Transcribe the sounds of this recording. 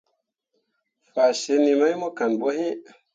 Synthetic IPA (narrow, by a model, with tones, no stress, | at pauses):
fa˨ʃe˧˦ni˧ma˦jmɔ˦ka˨nɓɔ˦he˦